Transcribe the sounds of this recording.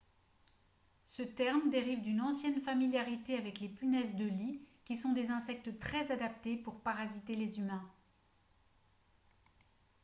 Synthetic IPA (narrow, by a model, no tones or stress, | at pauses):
sət̪ɛʁmd̪eʁivd̪ynɑ̃sjɛnfamiljaʁit̪eavɛklepynɛsd̪əlikʲisɔ̃d̪ezɛ̃sɛk̚t̪ət̪χɛzad̪ap̚t̪epuʁpaʁazit̪elezymɛ̃